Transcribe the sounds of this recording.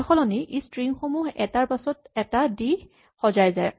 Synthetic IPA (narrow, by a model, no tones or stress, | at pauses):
xɔlɔniʔistɹiŋxomuɦɛ̰taɹpasɔtɛtadi | xɔzajzaj